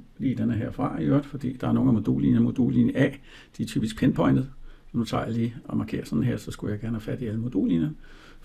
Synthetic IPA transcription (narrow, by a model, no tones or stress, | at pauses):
lḭːd̥enəɦeɐ̰fʁɑ̈jøɐd̥fɒ̽d̥ḭːd̥ɑ̈æɐno̝ːn̩æmo̝d̥o̰ːlinəmod̥ṵːlinæ | d̥it͡sʰy̰ːb̥isɡ̥pʰenpʰɒ̽ɪnd̥ð̩ˠsɒmd̥ut͡sʰɑ̰̈ːjɑ̈liːʔɒ̽mɑ̈kʰe̝̰ːɐsɒ̽n̥n̩ɦeɐ̰sɒ̽sɡ̥ujɑɪɡ̥æɐnəhæfæd̥iæləmod̥ṵːliːnɐ